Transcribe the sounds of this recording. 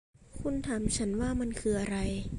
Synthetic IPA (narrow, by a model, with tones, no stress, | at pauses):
kʰu˧nt̪ʰa˨˦mt͡ɕʰa˦˥nwaː˥˩ma˧nkʰɯː˧ʔa˧ɾa˧j